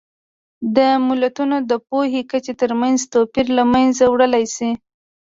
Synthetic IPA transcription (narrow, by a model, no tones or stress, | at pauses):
d̪əmɪlat̪unod̪əpoɦekət͡ʃet̪əɾmanzt̪opiɾlamanzawɽəlajsi